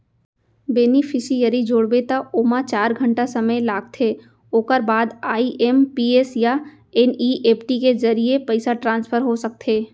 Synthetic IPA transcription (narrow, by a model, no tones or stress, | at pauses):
beːnifʰɪsijəɾid͡ʒoːɽbet̪aoːmat͡ʃaːɾɡʱə̃ɳʈasɐməjlaːɡ̚t̪ʰeː | oːkəɾbaːd̪aːiʔɛmpiːesja | ɛniːʔeːpʈikezɐɾiepɐɪsaʈɾãːnspʰəɾɦosɐk̚t̪ʰeː